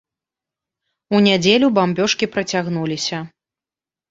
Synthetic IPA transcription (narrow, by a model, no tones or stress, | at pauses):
unʲad͡zʲelʲubambʲɔʂkʲipɾɐt͡sʲaɣnulʲisʲɐ